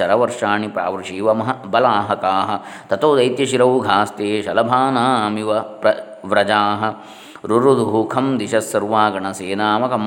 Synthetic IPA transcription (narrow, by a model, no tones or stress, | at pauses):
ɐɾɐʋɐɾʂaːɳipɾa̰ːʋɐɾʃiːʋɐmɐɦɐbɐlaːɦɐkaːɦɐ̆ | t̪ɐt̪oːd̪ɐjt̪jɐʃiɾɐʋɡʱaːst̪eːʃɐlɐbʱaːnaːmiʋɐpɾɐ | ʋɾɐd͡ʒaːɦɐ̆ | ɾuɾud̪uɦukʰɐmd̪iʃɐsːɐɾʋaːɡɐɳɐseːnaːmɐkɐm